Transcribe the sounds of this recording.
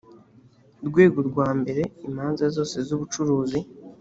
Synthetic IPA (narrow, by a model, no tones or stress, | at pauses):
ɾɡwe̞ːɡoɾɡwaːmbe̞ɾe̞imhaːnzazo̞ːse̞zuβut͡ʃuɾuːzi